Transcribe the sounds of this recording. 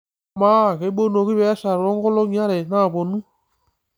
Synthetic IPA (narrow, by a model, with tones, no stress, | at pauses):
ma˦˨ɣe˨˦ɓo˦n˨o˨ɣi˦βe˦sa˨ɾo˦ŋɡo˦lo˦ɲ˦a˦ɾe˨na˦˨βo˨nũ˦